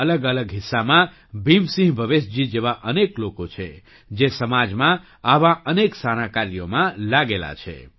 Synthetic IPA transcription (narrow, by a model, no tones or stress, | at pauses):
ələɡələɡɦisːamã | bʱimsĩɦbʱəʋesd͡ʒid͡ʒeʋaʔəneklokot͡ʃʰe | d͡ʒesəmad͡ʒmã | aʋãəneksañãkaɾjomãlaɡela̰t͡ʃʰḛ